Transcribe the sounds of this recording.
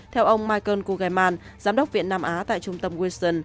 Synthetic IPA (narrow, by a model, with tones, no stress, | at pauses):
t̪ʰɛ˧wʔə˧wŋ͡mmaː˧jkəː˧nku˧ɣaː˨˩jmaː˧n | zaː˨˦mɗə˦˥k͡p̚vḭ˧˨ənːaː˧mʔaː˨˦t̪a̰ː˧˨jt͡ɕʊ˧ŋ͡mt̪ə˧mɣwi˧st̪ə˧˩n